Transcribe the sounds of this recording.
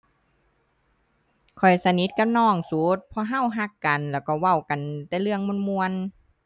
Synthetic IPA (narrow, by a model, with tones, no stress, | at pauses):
kʰɔ˨˩jsa˧ni˧˦t̪̚ka˧˨mnɔː˧˩ŋsuː˨˦t̪̚pʰɔ˧ɦa˧˥˨wɦa˧˩kːa˨nlɛː˧˩wkɔː˧˩wa˧˩wka˨nt̪ɛː˧˥˦lɯ˧əŋmu˧˥˨nmu˧ən